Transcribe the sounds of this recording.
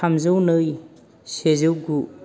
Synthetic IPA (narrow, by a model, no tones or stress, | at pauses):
amzɯwnɯj | sezɯwɡu